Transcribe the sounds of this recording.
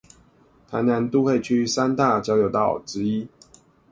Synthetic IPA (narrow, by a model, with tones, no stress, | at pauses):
t̪ʰa˧˦ɪna˨˦nt̪u˥˦xe˥˨ɪt͡ɕʰy˥sa˦˥nt̪a˥˨t͡ɕjɑ˥ʊjo˨˩ʊt̪ɑ˥˨˩ʊʈ͡ʂɻ̩˦˥i˦